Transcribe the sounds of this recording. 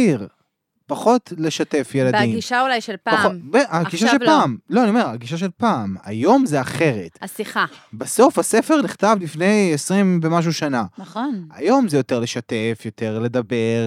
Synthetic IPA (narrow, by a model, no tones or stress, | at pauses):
iʁ | paχo̞tle̞ʃate̞fje̞ladimɡiʃaulajʃelpaaχobeaɡiʃaʃepaːmlo̞aniome̞ʁaɡiʃaʃ̬e̞lpaːma̰jo̞mzeaχe̞ʁe̞tasiχabaso̞fhase̞fe̞ʁniχt̪avlifne̞jesʁimvemaʃ̬uʃananaχona̰jo̞mzejo̞te̞ʁle̞ʃate̞fjo̞te̞ʁle̞d̪abe̞ʁ